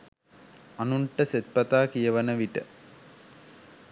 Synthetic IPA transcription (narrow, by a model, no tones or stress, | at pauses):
anuɳʈəset̪̚pɐt̪aːkijəʋɐnəʋiʈə